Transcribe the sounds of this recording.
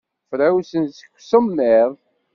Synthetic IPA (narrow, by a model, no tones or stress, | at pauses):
fɾawsənsə̥kʷːsəmːeðˤ